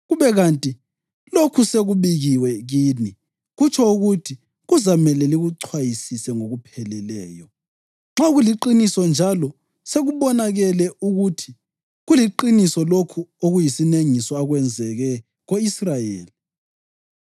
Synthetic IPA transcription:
ɣuβɛɣantʼi | lokʰuseɣuβiɣiwɛɣiːni | ɣut͡ʃʰɔuɣutʰi | ɣuzamɛlɛliɣuǀʰwajisisɛŋoɣupʰɛlɛlɛːjɔ | ŋ͡ǁaɣuliǃinisɔnd͡ʒʱalɔ | seɣuβɔnaɣɛlɛuɣutʰi̥ | ɣuliǃinisɔlokʰuoɣujisineŋisɔaɣwɛnd͡zʱɛɣɛ | ɣoisrajḛːli

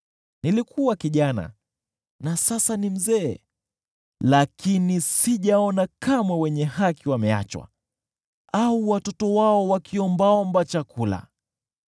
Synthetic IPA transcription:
nilikʰuwakiʄana̰ | nasasanim̩zɛ̰ː | lakinisiʄaɔnakamwɛwɛɲɛɦakiwamɛa̰t͡ʃwa̰ | auwatɔtɔwaɔwakʰiɔmbaɔmbat͡ʃakʰula̰

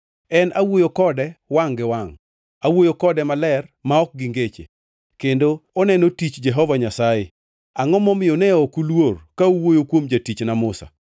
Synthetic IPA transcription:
ɛnawojokɔdɛwaŋɡɪwaŋ | awojokɔdɛmalɛrmaɔk̚ɡɪŋɡet͡ʃḛ | kendoɔnɛnotit͡ʃd͡ʒɛɦɔvaɲasaje | aŋɔmɔmɪjonɛɔkulworkauwojokwomd͡ʒatit͡ʃnamʊsa̰

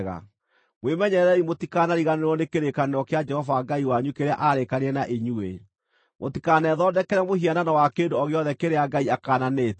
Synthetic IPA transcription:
ɣa̰ | mwemɛɲɛɾɛimotikanaɾiɣaneɾwɔnekeɾekaneɾɔkead͡ʒɛhɔvaɡaiwaɲukeɾa̰ʔaɾekaneɛnaʔeɲue | motikaːnɛðɔːdɛkɛɾɛmohiananawakeːndoɔɣeɔðɛkeɾeaɡaiakaːnaneːt

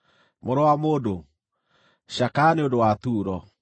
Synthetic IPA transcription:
moɾɔwamoːdo | ʃakaneodowat̪uːɾɔ

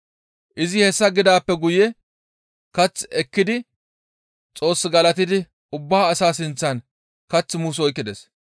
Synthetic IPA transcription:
ʔɪzɪhɛsːɐɡɪd̪aːpːɛɡʊjɛ | kɐt͡sːɛkːɪd̪ɪ | t͡sʼo̞ːsːɡɐlɐt̪ɪd̪ɪ | ʊbːaːsaːsɪnt͡sːɐn | kɐt͡sːmuːs̬ɔjkːɪd̪ɛs

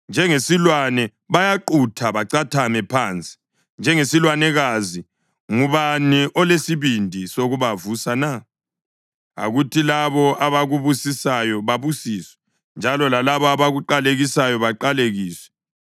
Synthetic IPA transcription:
nd͡ʒʱɛŋesilwanɛ | βajaǃutʰaβaǀatʰamɛpʰant͡sʼi̥ | nd͡ʒʱɛŋesilwanɛɣazi | ŋuβaniʔɔlesiβindʱisoɣuβavusana | a̰ɣutʰilaβɔaβaɣuβusisajɔβaβusiːswɛ | nd͡ʒʱalɔlalaβɔaβaɣuǃaleɣisajɔβaǃaleɣiːswɛ̥

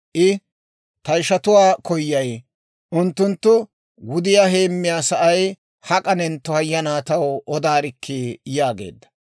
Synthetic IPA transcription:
ʔɪ | t̪ɐjʃɐt̪ʊwaːkɔjːɐj | ʔʊnt̪ːʊnt̪ːʊ | wʊd̪ɪjaːɦe̞ːmːɪjaːsɐʔɐj | hɐkʼɐnɛnt̪ːɔɐjːɐnaːt̪ɐwɔd̪aːɾɪkʰːijaːɡe̞̰ːd̪ːɐ̥

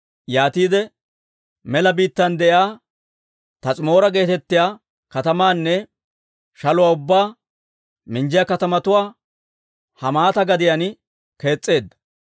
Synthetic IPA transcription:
jaːt̪iːd̪ɛ | mɛlɐbiːt̪ːɐnd̪ɛʔjaː | t̪ɐt͡sʼɪmo̞ːɾɐɡe̞ːt̪ɛt̪ːɪjaː | kɐt̪ɐmaːnːɛ | ʃɐlʊwaːʊbːaː | mɪnd͡ʒɪjɐkɐt̪ɐmɐt̪ʊwaː | hɐmaːt̪ɐɡɐd̪ɪjanɪ | ke̞ːt͡sʼːe̞ːd̪ːɐ̥

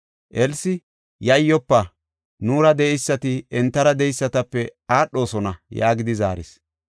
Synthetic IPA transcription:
ʔɛlsɪ | jɐjːɔpːɐ | nuːɾɐd̪ɛjsːɐt̪ɪɛnt̪ːɐɾɐd̪ɛjsːɐt̪ɐpːɛaːɗo̞ːsɔnɐja̰ːɡɪd̪ɪzaːɾɪ̰s

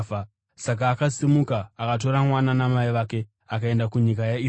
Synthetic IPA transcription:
a | sak̬aːkasimukaːkat̬o̞ɾamwananamaiʋake | akae̞ndakuɲikajai

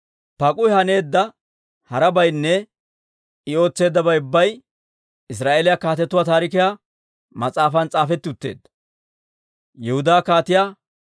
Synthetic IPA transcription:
pɐkʼʊjhɐne̞ːd̪ːɐ | hɐɾɐbɐjnːɛ | ɪo̞ːt͡sːe̞ːd̪ːɐbɐjʊbːɐj | ɪs̬ɾaːʔeːlɪjakaːt̪ɛt̪ːʊwaːt̪aːɾɪkɪjaː | mɐt͡sʼaːfɐnt͡sʼaːfɛt̪ːɪʊt̪ːe̞̰ːd̪ːɐ | jɛhʊd̪aːkaːt̪ɪjaː

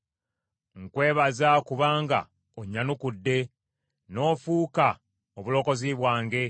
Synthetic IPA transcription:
ŋkwe̞ːβazakuβaːŋɡa̰ | oɲːanukudːe̞ | no̞ːfuːka | oβulo̞ːko̞ziβwaːŋɡe̞

